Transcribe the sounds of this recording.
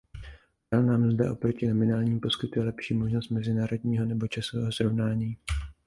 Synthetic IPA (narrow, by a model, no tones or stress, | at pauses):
dalnaːmzdɛ̰ʔo̞pɾo̞cɪnomɪnaːlɲiːmpo̞skɪt̪ujɛlɛpʃiːmo̞ʒno̞st̪̚mɛzɪnaːɾo̞dɲiːɦo̞nɛbo̞t͡ʃasovɛːɦosɾo̞vnaːɲiː